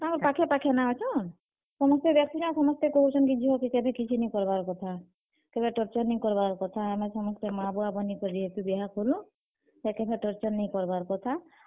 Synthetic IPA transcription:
amɔɾpakʰepakʰenaɦɔt͡ʃʰɔn | sɔmɔst̪ebjɔk̚t̪inasɔmɔst̪ekoɦut͡ʃʰɔnkid͡ʒʱiɦɔkikebʱekit͡ʃʰunej̃kɔɾbaɾkɔt̪ʰa | kebeʈɔɾt͡ʃɔɾnekɔɾbaɾkɔt̪ʰaamesɔmɔst̪emabuabɔnikɔɾiɦekubiɦakʰolũ | d͡ʒakɛbʰʱeʈɔɾt͡ʃɔɾnejkɔɾbaɾkɔt̪ʰa

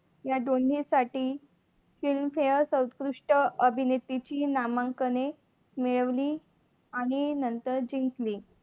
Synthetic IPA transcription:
jad̪oɳ̤isaʈiː | filmfejəsəwt̪kɾuʂʈəəbʱinet̪ːit͡ɕiːnamaŋkəne | meɭəʋliː | aɽ̃inənt̪əɾd͡ʑiŋkliː

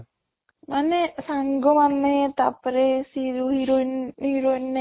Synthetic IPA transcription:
manesaŋɡomanːet̪a̰pɾesiɾuɦiɾonhiɾonːe

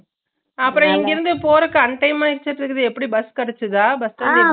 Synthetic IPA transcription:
ɐpːɯɾɔ̃ɛŋɡɡɪɾɯnd̪ɯpoːɾɯkːɯɐɳʈɐɪmaːɪɾt͡ʃːɐɾʈ̪ːɯkːɐðɯɛpːɐɽibɐskɐɽɐt͡ʃːɯðaːbɐstɐdi

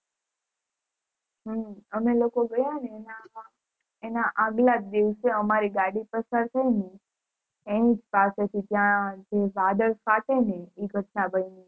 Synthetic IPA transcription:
ɦəməmelokoɡəjaneːna | enaʔaɡlad̪iʋseəmaɾiɡaɽipəsaɾt̪ʰəini | eĩd͡ʒpaset̪ʰit̪jãd͡ʒeʋad̪əɭkat̪eneiɡʱəʈnabənini

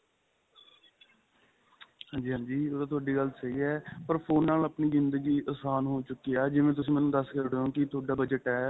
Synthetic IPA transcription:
hãːɲd͡ʒiːɦãːɲd͡ʒiːoːd̪aːt̪̬ʰʊaːɖiːɡəlsəɦiːɛːpəɾpʰoːnːaːləpniːzɪnd̪əɡiːʔəsaːnɦoːt͡ʃʊkːijaːd͡ʒɪʋẽːt̪̬ʊsĩːmɛ̃ːnũːd̪əskəɾɖeːõːkɪt̪ʰʊaːɖaːbəd͡ʒəʈɛː

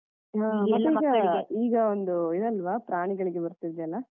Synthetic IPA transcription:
ɦaːmɐt̪ːeiːɡɐiːɡɐond̪uid̪ɐlːʋapɾaːɳiɡɐɭiɡe̞bɐɾut̪ːid̪ɛɐlːɐ

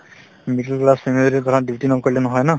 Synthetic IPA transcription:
miʈelklaspʰemileɾiɡ̪ʱɔɾadibʱiʈinɔkoɹilenɔɦɔjna

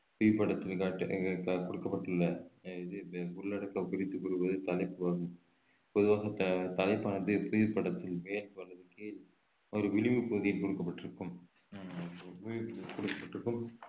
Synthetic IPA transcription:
pʊjɪɾpːɐɽɐt̪ːɪlkaːʈːkkɔɽɯkːɐpːɐʈːɯlːɐðɯʊɭːɐɽɐkːɐkɪɾɪt̪ːɯpʊɾɯʋɐðɯt̪ɐlɐɪpːɯaːɣɯm | pɔðɯʋaːɣɐt̪t̪ɐlɐɪpːaːnɐðɯpʊjɪɾpːɐɽɐt̪ːɪlmeːlɐlɐðɯkeːl | ɔɾɯʋɪlɪʋɯpuːðɪjɪlkɔɽɯkːɐpːɐʈːɪɾɯkːɯm | pʊjɪɾpɐkɔɽɯkːɐpːɐʈːɪɾɯkːɯm

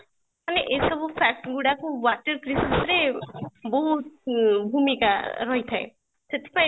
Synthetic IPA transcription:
maneʔejsɔbupʰak̚ʈɡuɽakuwaʈəɾkɾisasɾebɔɦut̪̚bʱumika̰ɾɔɦit̪ʰaḛ | set̪ʰe̥paj

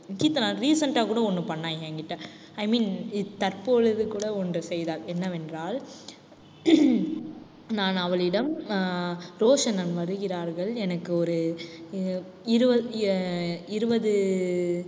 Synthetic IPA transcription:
kit̪ːɐnaɾiːsɐɳʈaːkuːɽɐɔnːɯpɐɳːaːjeːŋɡɪʈːãː | ɐɪmiːnɪt̪ːɐɾpoːɭɐðɯkuːɽɐɔndrɯsɛjðaːlɛnːɐʋɛndraːl | naːnɐʋɐɭɪɽɐm | ɾoːʂɐnɐnʋɐɾɯɣɪɾaːɾɣɐɭɛnɐkːɯɔɾɯ | ɪɾɯbɐ | ɪɾɯbɐðɯ

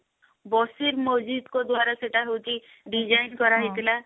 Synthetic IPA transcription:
bɔsiɾmɔd͡ʒid̪kod̪waɾaseʈaɦewt͡ʃi | ɖid͡ʒajnkɔɾaɦit̪ila

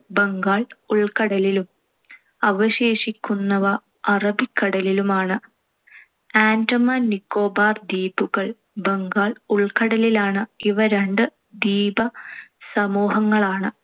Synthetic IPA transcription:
beŋɡaːɭuɭkɐɽɐlilum | ɐʋɐɕeːʂikʲːunːɐʋɐ | ɐrɐbikːɐɽɐlilumaːɳɨ | aːntɐmɐnikːo̞ːbaːrd̪iːbuɣɐɭ | beŋɡaːɭuɭkɐɽɐlilaːɳɨiʋɐɾeɳɖɨ | d̪iːbɐsɐmuːɦɐŋːɐɭaːɳɨ

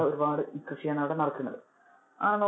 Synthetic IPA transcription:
ɐoɾubaːɽɨkrɨʂijaːnːɐʋiɽenɐrɐkːunːɐ̰ðɨ | a̰ːɳɐnːɐ

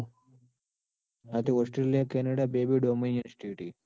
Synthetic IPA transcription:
ɐt̪ioːsʈɾelijakenɐɽabeːbiɖominjɐnsʈiːʈi

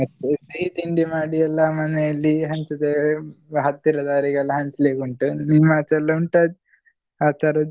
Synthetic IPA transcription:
ɐt̪ːsɐɦit̪iɳɖimaːɽiɐlːɐmɐnelːiɦɐnt͡ʃɐt̪eɦɐt̪ːiɾɐd̪aːɾiɡɐlːɐɦɐnsleːkuɳʈunimaːt͡ʃɐlːɐuɳʈad̪ | aːt̪ʰɐɾɐ

